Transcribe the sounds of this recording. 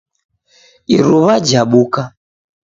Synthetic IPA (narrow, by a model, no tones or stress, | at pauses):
iɾuβad͡ʒaɓuka